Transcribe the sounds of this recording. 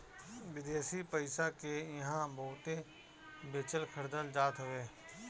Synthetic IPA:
ʋɪd̪eːsipəɪsakejɐɦãbɐɦʊt̪e | beːt͡ʃəlkʰəɾd̪əld͡ʒaːt̪ɦʊʋeː

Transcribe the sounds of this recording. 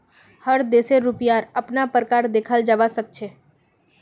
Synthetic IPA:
həɾd̪eseɾʊpjaɾəpnapɾəkaɾd̪ekʰəld͡ʒəʋasək̚t͡ʃʰe

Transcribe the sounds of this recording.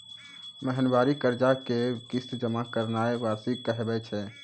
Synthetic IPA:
məɦənbaɾikəɾd͡ʒakekist̪d͡ʒəmakəɾnaeʋasikəɦbɛt͡ʃʰɛ

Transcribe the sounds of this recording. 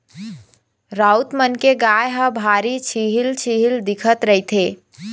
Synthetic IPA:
ɾaut̪mənkeɡajɦə̃bʱaɾit͡ʃʰiɦilt͡ʃʰiɦild̪ikʰət̪ɾəɦit̪ʰe

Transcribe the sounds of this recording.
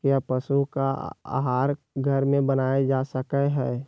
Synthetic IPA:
kjapəsuka̰a̰ɦaːɾ | ɡʱəɾmẽbənaːed͡ʒaːsəkɛɦɛː

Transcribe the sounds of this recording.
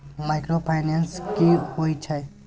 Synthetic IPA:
maɪkɾopʰajnenskihojt͡ʃʰɛ

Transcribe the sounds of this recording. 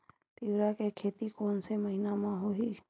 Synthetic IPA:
t̪iwɾakekʰeːt̪ikoːnseməɦɪnamãɦoɦi

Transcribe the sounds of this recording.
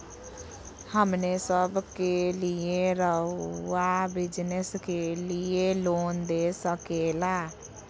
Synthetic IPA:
həmnesəbkelieɾəuabɪd͡ʒnəskelieloːnd̪esəkela

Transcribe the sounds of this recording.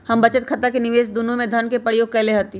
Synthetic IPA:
hɐmbɐt͡ʃət̪̚kʰɐt̪akenɪʋeːsd̪unũmẽd̪ʱɐnkepɾəɾjoːɡ̚kɐleɦɐt̪i

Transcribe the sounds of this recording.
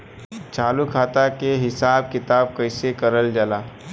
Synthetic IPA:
t͡ʃaːlukʰaːt̪akeɦɪsab̚kɪt̪aːb̚kəjsekəɾəld͡ʒala

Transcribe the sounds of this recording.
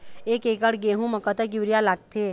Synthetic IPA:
eːkeːkəɽɡeɦũməkət̪əɡɪʋɾjalaːɡ̚t̪ʰe

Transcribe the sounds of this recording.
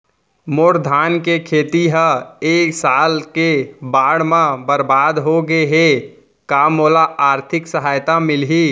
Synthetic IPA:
moɾd̪ʱaːnkekʰeːt̪iɦə̃eːksaːlkebaːɽmãbəɾbaːd̪ɦoɡeɦe | kaːmoːlaaːɾt̪ʰɪksəɦaːjt̪amɪlɦi

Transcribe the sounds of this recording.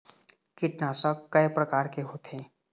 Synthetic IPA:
kɪʈnaːsəkːəjpɾəkaːɾkeɦot̪ʰẽ

